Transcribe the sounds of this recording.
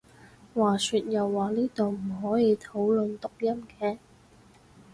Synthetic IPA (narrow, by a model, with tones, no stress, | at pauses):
waː˨˩syː˧t̚jɐ˨wːaː˨˩niː˥t̪o˨wm̩˨˩ɦɔː˨˥jiː˧t̪ʰo˨˥wlɵ˨nt̪ʊ˨k̚jɐ˥mkɛː˨˥